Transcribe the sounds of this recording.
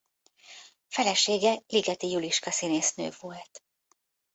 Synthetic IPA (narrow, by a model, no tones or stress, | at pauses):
fɛlɛʃeːɡɛliɡɛt̪ijuliʃkɒsineːsnø̰ːvolt̪